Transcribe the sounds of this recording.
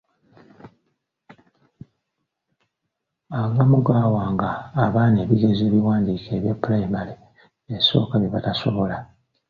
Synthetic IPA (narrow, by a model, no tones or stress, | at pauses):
aɡamuɡaːwaːŋɡaːβaːne̞ːβiɡe̞zeːβiwaːndiːke̞ːβjapːulajimale | eso̞̰ːkaβjeβataso̞̰βo̞la